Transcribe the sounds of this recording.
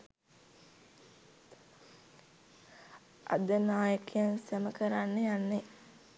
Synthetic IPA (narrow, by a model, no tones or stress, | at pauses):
ʔa̰d̪ənaːjəkijansəməkəɾanːəjanːe